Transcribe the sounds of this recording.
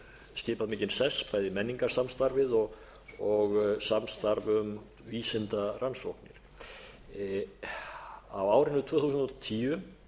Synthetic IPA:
scɪːpaðmɪːcɪnsɛspaːjðɪmɛnːiŋkḁsamst̪aɾvɪðɔɣ | ɔɣsamst̪aɾvʏm | viːsɪnt̪aransowhknɪ̰ɾ̥ | a̰waːwɾɪnʏt̪ʰvœːhθuːsnt̪ɔt̪ʰiːʏ

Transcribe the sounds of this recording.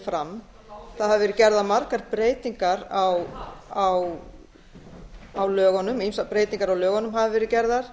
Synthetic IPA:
fɾam | θaðhavɪvɛːɾʏcɛɾðamaɾkaɾpɾeːjt̪iŋkaɾawaw | awlœːɣɔnʏmimsapɾeːjt̪iŋkaɾawlœːɣɔnʏmɦavɪvɛːɾɪcɛɾðaɾ̥

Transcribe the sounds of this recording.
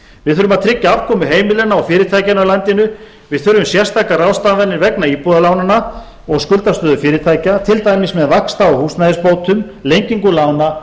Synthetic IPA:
vɪðθʏɾʏmaðt̪ʰɾɪcːaav̥kʰɔːmʏɦeːjmɪlɛnːaawfɪːɾɪɾt̪ʰajcɪnawlant̪ɪnʏ | vɪðθʏɾːʏmsjɛr̥st̪akarawst̪avɛnːɪɾvɛknaipuðalawnana | ɔɣskʏlt̪ast̪œːðʏfɪːɾɪt̪ʰaːjcat̪ʰɪlt̪aːjmɪsmɛðvakst̪aɔhusnaðɪspoːwt̪ʰʏm | lejɲciŋkʏlaːwna

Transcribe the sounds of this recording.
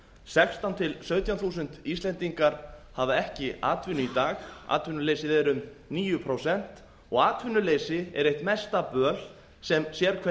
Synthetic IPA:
sɛkst̪awnt̪ʰɪlsœːɥt̪ʰjanθuːs̬ʏn̥t̪ist̪lɛnt̪iŋkaɾ̥havaɛhcɪa̰ːt̪vɪnʏit̪aːxa̰ːt̪vɪnʏleːjsɪðɛɾʏm | niːjʏpʰɾowsɛn̥t̪ | ɔɣaːt̪vʏnʏleːjsɪɛ̰ɾejht̪mɛst̪apœːl̥ | sɛmsjɛɾ̥kʰvɛ

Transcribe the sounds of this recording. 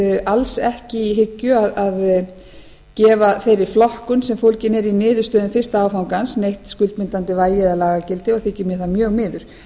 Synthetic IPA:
alsɛhcɪiɦɪcːʏaðað | cɛːvaθejɾɪɾflɔhkʏnsɛmfowlcɪnɛɾinɪːðʏ̥st̪œːðʏnfɪr̥st̪aaːwfawŋkansnejht̪skʏlt̪mɪnt̪ant̪ɪvaːjɪðalaːɣacɪlt̪ɪɔɣθɪːcːɪmjɛθamjœːɣmɪːðʏɾ̥

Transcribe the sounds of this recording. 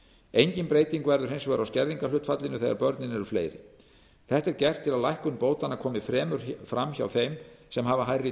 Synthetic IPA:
ejɲcɪnpɾeːjt̪iŋkvɛɾðʏɾhejnsvɛɾawscɛɾðiŋkalʏht̪fat̪lɪnʏθeːɣaɾpœɾt̪nɪnɛɾʏflḛːjɾɪ̰ | θɛht̪ɛɾcɛr̥t̪ʰːɪlaðlajhkʏnpoːwt̪anakʰɔːmɪfɾɛːmʏɾ̥fɾamça̰wθejmsɛmɦavaɦajrɪ

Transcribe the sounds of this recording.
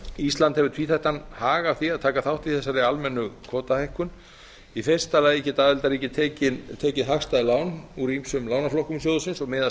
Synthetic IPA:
ist̪lant̪hɛvʏt̪ʰviːθaht̪anhaːɣḁθiaðt̪ʰaːkaθawht̪iθɛsːaɾɪalmɛnːʏkʰɔːt̪ahejhkʏn | ifejr̥st̪alaːjɛcɪt̪aːðɛlt̪aɾiːcɪt̪ʰːcɪt̪ʰeːcɪðɦaxst̪aðlaːwnuɾimsʏmlaːwnaflɔhkʏms̬joːwðʏsɪnsɔɣmɪːða

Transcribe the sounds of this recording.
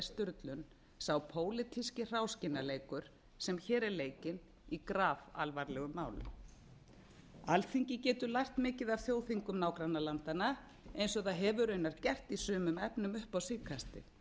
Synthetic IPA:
st̪ʏɾt̪lʏn | saːwpʰoːwlɪt̪ʰiscɪr̥aːwscɪnːaleːjkʏɾ̥ | sɛmçɛːɾɛɾleːjcɪn | ikɾaːva̰lvaɾlɛɣʏmːaːwlʏ̰ | alθiɲcɪcɛːt̪ʏlajht̪mɪːcɪðavθjoːwθiŋkʏmnaːwkɾanːalant̪ana | ejnsɔθaðɦɛvʏɾœːɥnaɾcɛr̥t̪isʏːmʏmɛpnʏmʏhpawsɪːkʰast̪ɪ̰

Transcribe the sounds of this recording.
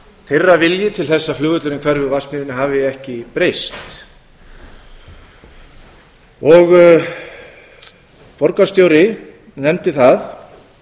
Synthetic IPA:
θerːavɪljɪt̪ʰɪlθɛsːaflʏːɣʏt̪lʏɾɪnkʰvɛɾvʏvasnɪɪnɪɦavɪjɪɛhcɪpɾejst̪ | ɔɣ | pɔɾkast̪jowɾɪ | nɛmt̪ɪθað

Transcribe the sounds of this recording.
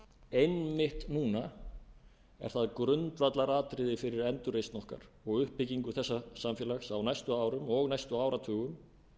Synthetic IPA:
ejnmɪht̪nuːna | ɛ̰ɾ̥θaðkɾʏnt̪ɾat̪laɾaːt̪ɾɪðɪfɪɾɪɾɛnt̪ʏɾejst̪nɔhka̰ɾ̥ɔɣʏhpːɪciŋkʏθɛsːasamfjɛːlaxsawnajst̪ʏaːwɾʏmɔɣnajst̪ʏaːwɾat̪ʰʏːɣʏm

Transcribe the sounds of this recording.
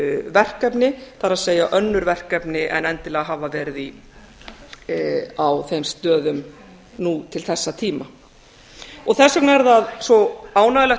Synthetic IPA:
vɛr̥kɛpnɪθaɾaðseːjaʔœnːʏɾvɛr̥kɛpnɪʔɛ̰nɛnt̪ɪlɛːɣaɦaːvavɛɾði | awθejmst̪œːðʏm | nut̪ʰɪlθɛsːat̪ʰiːma | ɔθɛsœknɛɾðaðsɔaːwnaðlɛ

